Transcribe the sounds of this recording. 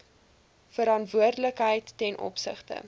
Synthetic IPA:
fəɾɑntvuərdələkɦəjtːɛnʔɔ̰psə̰χtə̰

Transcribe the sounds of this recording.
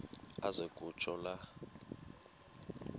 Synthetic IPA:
azekʼut͡ʃʼɔla

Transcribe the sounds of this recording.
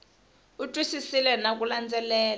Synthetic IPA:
utʼwisisilɛnak̬ʼuland͡zɛlɛːl

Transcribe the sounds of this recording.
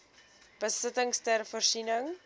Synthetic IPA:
b̥əsətəŋstɛrfərsinəŋ

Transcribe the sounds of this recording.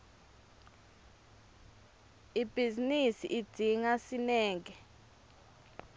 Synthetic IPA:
ib̥ʱizinisḭʔi̥d̥ʱiŋasinɛːŋɛ

